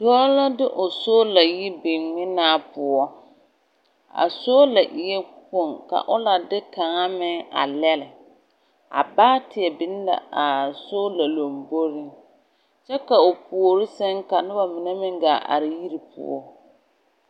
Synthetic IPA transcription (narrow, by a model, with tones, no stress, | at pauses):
dɔː˦la˦dɪ˦ʔʊ˨so˦la˨ji˦bɪ˨mɪ˦naː˦pʊ˨ɔ˦ | a̰˨so˦la˨ʔɪ˨jɛ˦ko˦˨ŋka̰˨ʔʊ˦la˨dɪ˦ka˨ŋa˦mɪ˦ŋa̰˨lɛ˦lɪ˨ | a̰˨baː˦tɪ˨ɛ˨bɪ˦n˦la̰˨a˨soː˦la˨lo˨mbo˦ɾi˦ŋ | t͡ʃɛ˦ka˨ʊ˨pu˨o˨ɾi˦sɛ˦ŋka˨nʊ˦ba˨mɪ˨ne˦mɪ˦ŋɡaː˨ʔa̰˨ɾɪ˨ji˦ɾi˨pʰʊ̰˦˨ɔ̰˦